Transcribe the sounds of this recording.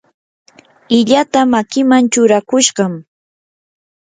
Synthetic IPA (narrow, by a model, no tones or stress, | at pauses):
ɪʎat̪amakɪmant͡ʃʊɾakʊʃɢɑm